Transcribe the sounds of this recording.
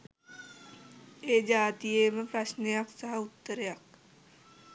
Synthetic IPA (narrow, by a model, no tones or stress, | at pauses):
eːd͡ʒaːt̪ijeːmɐpɾɐʃnijɐksɐɦɐut̪ːəɾjɐk